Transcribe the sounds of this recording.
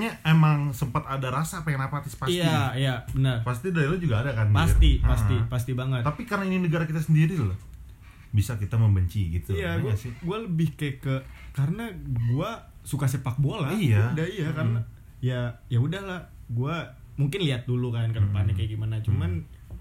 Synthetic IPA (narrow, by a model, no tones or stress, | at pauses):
ɲaemaŋsəmpat̪adaɾasaːpajaŋnapat̪ɪspaisjaijabənərpast̪idaɾilad͡ʒuɡaːdakanpast̪ipast̪ipas̬t̪ibaŋət̪apikarənaininəɡaɾakit̪asəndiɾila | bisakit̪aməmbəɲt͡ʃiɡit̪uijaɡasɪɡualəbɪhkajkəkaɾənaɡua | sukasəpak̚bualahijaudahijakarəna | jajaudahlaɡua | muŋkɪnliat̪̚dulukankədəpanakajɡimanat͡ʃuman